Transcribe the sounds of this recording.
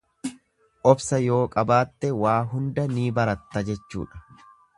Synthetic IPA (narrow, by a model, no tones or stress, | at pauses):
ʔɔbsɐjo̞ːkʼɐbaːt̪ːɛwaːɦʊnd̪ɐniːbɐɾɐt̪ːɐd͡ʒɛt͡ʃːṵːᶑɐ̥